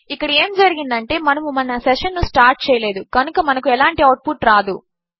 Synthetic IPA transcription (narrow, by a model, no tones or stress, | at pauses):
ikːɐɽɐe̞ːmd͡ʒɐɾiɡind̪ɐɳʈe̞ːmɐnɐmumɐnːɐsɛʂɐnːusʈaːɾʈ̚t͡ʃɛːjɐle̞ːd̪ukɐnukɐmɐnɐkuɛlaːɳʈiɐwʈ̚pʰuʈɾaːd̪u